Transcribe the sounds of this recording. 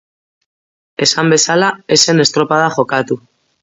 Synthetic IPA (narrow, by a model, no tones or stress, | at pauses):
e̞sambe̞salae̞se̞ne̞st̪ɾo̞pað̞axo̞kat̪u